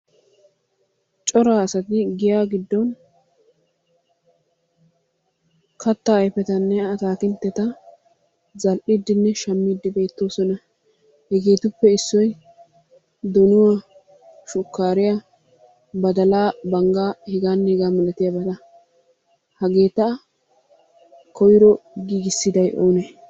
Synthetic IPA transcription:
t͡ʃʼɔɾaːɐsɐt̪ɪɡɪjaːɡɪd̪ːɔn | kʰɐt̪ːɐːjfɛt̪ɐnːɛɐt̪aːkɪnt̪ːɛt̪ɐ | zɐlʔɪd̪ːɪnːɛʃɐmːid̪ːɪbe̞ːt̪ːo̞ːsɔnɐ | hɛɡeːt̪ʊpːɛɪsːɔj | d̪ɔnʊwa | ʃʊkːaːɾɪja | bɐd̪ɐlaːbɐŋɡaːhɪɡaːnːɛhɪɡaːmɐlɐt̪ɪjabɐd̪ɐ | hɐɡeːt̪ːɐ | kɔjɪɾɔɡiːɡɪsːɪd̪ɐjʔo̰ːnɛ

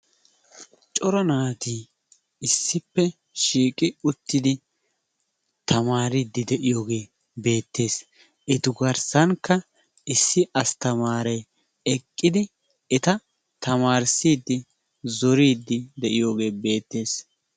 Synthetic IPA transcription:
t͡ʃʼɔɾɐnaːt̪iː | ɪsːɪpːɛ | ʃiːkʼɪʊt̪ːɪd̪ɪ | t̪ʰɐmaːɾiːd̪ːɪd̪ɛʔɪjo̞ːɡe̞ː | be̞ːt̪ːe̞ːs | ʔɛt̪ʊɡɐɾsɐŋkːɐ | ɪsːɪʔɐst̪ɐmaːɾɛ | ɛkʼːɪd̪ɪ | ɛt̪ɐ | t̪ɐmaːɾsiːd̪ːɪ | zɔɾiːd̪ːɪd̪ɛʔɪjo̞ːɡe̞ːbe̞ːt̪ːe̞ːs

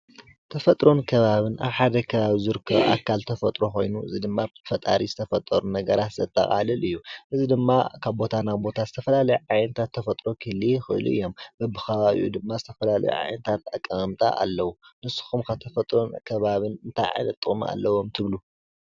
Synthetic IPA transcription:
t̪ʰɐfɐt̪ʼɾo̞nkʰɐβaβɨnʔa̰βħad̪ɐkʰɐβaβizɨɾɨkʰːɐβʔa̰kʰːalt̪ʰɐfɐt̪ʼɾo̞xojnuʔɨ̰zid̪ɨmːabt̪ʰfɐt̪ʼa̰ɾizɨt̪ʰɐfɐt̪ʼːɐɾunɐɡɐɾat̪z̥ɐt̪ʰːɐ̰χʼa̰lɨlɨjːuʔɨzid̪ɨmːakʰaβbo̞t̪ʰanaβbo̞t̪ʰazɨt̪ʰɐfɐlalɐjuʕajnɐt̪ʰat̪ʰːɐfɐt̪ʼɾo̞kʰɨlixɨʔlṵɨ̰jːo̞mbɐbɨxʰɐβaβḭjṵd̪ɨmːazɨt̪ʰɐfɐlalɐ̰jṵʕa̰jnɐt̪ʰat̪akʼːɐɐmt̪ʼa̰ʔa̰lːɐwunɨsːu̥xumkʰat̪ʰɐfɐt̪ʼɾo̞nkʰɐβaβɨnɨnt̪ʰajʕa̰jnɐt̪ʼːɨχʼm̰a̰lːɐwo̞mt̪ʰɨβlu

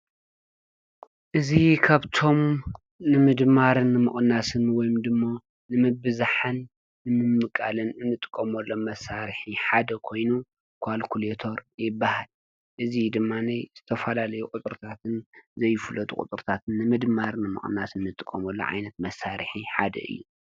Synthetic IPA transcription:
ʔɨzikʰaβt̪ʰo̞m | nɨmɨd̪maɾɨnːɨmɨχʼnasɨnwɔjmd̪ɨmːa | nɨmɨbɨzaħɨnː | ɨmɨmːɨkʼa̰lɨnɨnːɨt̪ʼɨ̥kʼːɐmɐlːomɐsaɾɨħiħad̪ɐkʰo̞jnu | kʰalkʰulet̪ʰo̞ɾjɪbːahal | ʔɨzid̪ɨmːanajz̥ɨt̪ʰɐfɐlalɐjukʼut̪ʼɨɾɨt̪ʰat̪ʰɨnzɐjːɪfɨlɐt̪ʼṵkʼṵt̪ʼɨɾt̪ʰat̪ʰɨnːɨmɨd̪maɾɨnɨmɨ̰χʼnːasɨnːɨt̪ʼɨkʼːɐmɐlːo̰ʕa̰jnɐt̪̚mɐsːaɾħiħad̪ɐ̰ʔɨ̰jːu

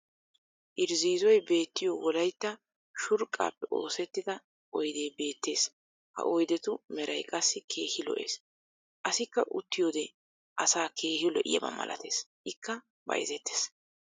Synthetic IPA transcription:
ʔɪɾziːzɔjbe̞ːt̪ːɪjowɔlɐjt̪ːɐ | ʃʊɾkʼːa̰ːpːɛʔo̞̰ːsɛt̪ːɪd̪ɐ | ʔɔjd̪eːbe̞ːt̪ːe̞ːs | hɐ̰ʔɔjd̪ɛt̪ʊmɛɾɐjkʼɐsːɪkʰe̞ːhɪlɔ̰ʔe̞̰ːs | ʔɐsɪkːɐʔʊ̰t̪ːɪjoːd̪ɛ | ʔɐsaːkʰe̞ːhɪlɔʔɪ̰jɐbɐ̰mɐ̰lʔɐ̰t̪e̞ːsʔɪkːɐ | bɐ̰jzɛt̪ːe̥ːs

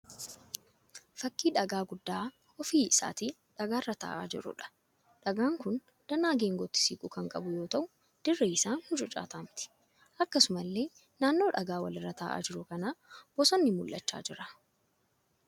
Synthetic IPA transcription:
fɐkːiːᶑɐɡaːɡʊd̪ːaː | ɔfiːsa̰ːt̪iː | ᶑɐɡaːrːɐt̪a̰ːʔa̰ːd͡ʒɪ̰ɾʊ̰ᶑɐ̥ | ᶑɐɡaːŋkʊn | d̪̥ɐnaːɡeːŋɡɔt̪ːɪ̥siːkʼʊkɐŋkʼɐbʊjo̞ːt̪ɐʔʊ | d̪̥ɪrːɛɪsaːnhʊd͡ʒɔt͡ʃʼa̰ːt̪aːmt̪ɪ̥ | ʔɐkːɐsʊmɐlːe̞ː | naːnːo̞ːᶑɐɡaːwɐ̰lɪrːɐt̪a̰ːʔa̰ːd͡ʒɪɾʊkɐnaːb̥ɔsɐnːɪmʊlːɐ̰t͡ʃːa̰ːd͡ʒɪɾɐ

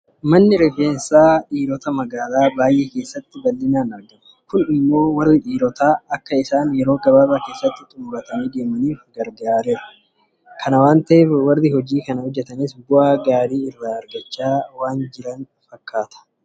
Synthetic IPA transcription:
mɐnːɪɾɛfeːnsaːᶑiːɾɔt̪ɐmɐɡaːlaːbaːjʔeːke̞ːsːɐt̪ːɪbɐlːɪnaːnɐɾɡɐmɐ̥kʊnɪmːo̞ːwɐrːɪᶑiːɾɔt̪aːɐkːɐɪsaːnjɛɾo̞ːɡɐβaːbaːke̞ːsːɐt̪ːɪt̪ʼuːɾɐt̪ɐniːd̪e̞ːmɐniːfɡɐɾɡaːɾeːɐ | kʰɐnɐwaːnt̪ɐʔeːfwɐrːɪhɔd͡ʒiːkɐnɐhɔd͡ʒːɛt̪ɐnɪsbʊaːɡaːɾiːɪrːaːɐɾɡɐt͡ʃːaːwaːnd͡ʒɪɾɐn | fɐkːaːt̪ʰɐ̥

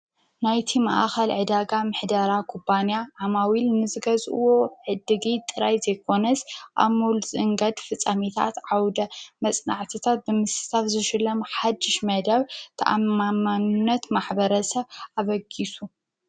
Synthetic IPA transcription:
najt̪ʰimaʔaxɐlʕɨd̪aɡamɨħd̪aɾakʰupːanjaʕamawilnɨzɨɡɐzʼʔɨ̰wo̞ʕɨd̪ɨɡit̪ʼɨɾajzɐjkʰo̞nɐsʔa̰molzɨɨŋɡɐd̪fɨt͡sʼːamit̪ʰa̰t̪ʕawd̪ɐmɐt͡sʼnaʕt̪ʰɨt̪ʰat̪̚bɨmɨsɨ̥t̪ʰafzɨʃɨlːɐmħad̪ːɪʃmɐd̪ɐβt̪ʰɐ̰ʔa̰mamanunːɐt̪maħbɐɾɐsɐβaβɐɡisu

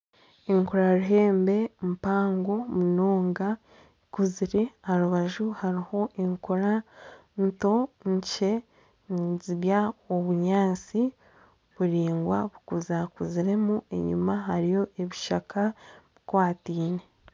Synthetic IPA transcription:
eŋkoɾaɾuɦe̞ːmbe̞mpaːŋɡo̞munoːŋɡa | kuziɾe̞aɾuβaʒuhaɾiho̞ʔeŋkoɾanto̞ɲt͡ʃe̞ | nziβjaoβuɲaːnt͡si | βuɾiːŋɡwa̰βukuzakuziɾe̞mue̞̰ɲṵmaɦaɾijo̞ʔeβiʃakaβikwaːtiːne

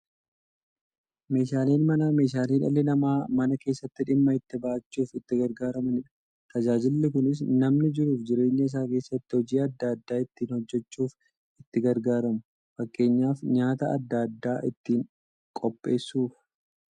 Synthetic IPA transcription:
me̞ːʃaːleːnmɐname̞ːʃaːliːᶑɐ̰lːɪnɐmaːmɐnɐke̞ːsːɐt̪ːɪᶑɪmːɐɪt̪ːɪbaːɐt͡ʃːuːfɪt̪ːɪɡɐɾɡaːɾɐmɐnɪᶑɐ̥ | t̪ɐd͡ʒaːd͡ʒɪlːɪkʊnɪs̬nɐmnɪd͡ʒɪɾuːfd͡ʒɪɾe̞ːɲːɐɪs̬aːke̞ːsːɐt̪ːɪhɔd͡ʒiːɐd̪ːad̪ːaːɪt̪ːiːnhɔd͡ʒːɛt͡ʃːuːf | ɪt̪ːɪɡɐɾɡaːɾɐmʊ | fɐkʼːe̞ːɲːaːfɲaːt̪ɐɐ̰d̪ːad̪ːaːʔɪt̪ːiːŋ | kʼɔpʼːe̞ːsːuːf

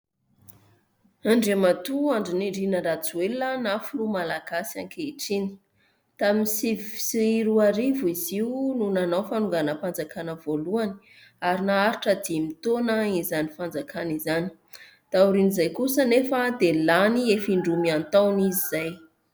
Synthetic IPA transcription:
aɳɖ͡ʐemat̪uaɳɖ͡ʐiniɖ͡ʐinəɾat͡suelənafulumalaɡ̥asia̰ŋkeiʈ͡ʂini̥ | t̪aminsivsiiɾuaɾiviziununanawfanuŋɡanəpand͡zakanəvoluani̥ | aɾinaaɾiʈ͡ʂəd̪imit̪onəizanifand͡zakʰanizani̥ | d̪̥auɾinizajkusənefəd̪elaniefiɳɖ͡ʐumiant̪awniziz̥aj

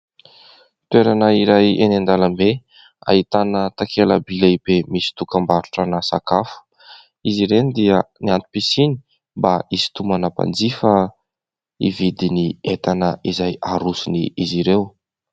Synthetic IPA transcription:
t̪weɾanəiɾajenand̪aləmbe | a̰ɦit̪anət̪akʰeləbilaibemisi̥t̪ukambaɾuʈ͡ʂanasakafu̥ | iziɾend̪iəniant̪u̥pisini̥ | mbaisi̥t̪umanapa̰nd͡zifə | ivid̪iniet̪anəizajaɾusuniiziɾew

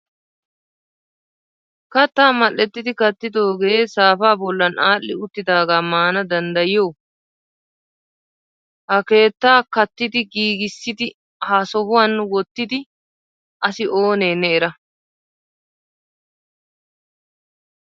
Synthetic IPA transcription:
kɐt̪ːaːmɐʔːɛt̪ːɪd̪ɪkɐt̪ːɪd̪o̞ːɡe̞ːsaːfaːbɔlːɐnʔaːlːɪʊt̪ːɪd̪aːɡaːmaːnɐd̪ɐnd̪ɐjɪjoː | kɐke̞ːt̪ːaːkɐt̪ːɪd̪ɪɡiːɡɪsːɪd̪ɪ | haːsɔbʊwanːʊwɔt̪ːɪd̪ɪ | ʔɐsɪʔo̞ːne̞ːnːɛɛɾɐ

